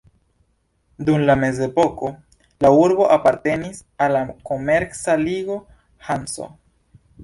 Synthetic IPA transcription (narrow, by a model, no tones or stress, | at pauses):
dumlame̞ze̞po̞ko̞ | lauɾbo̞ʔapaɾte̞nisalako̞me̞ɾsaliɡo̞ | hanso̰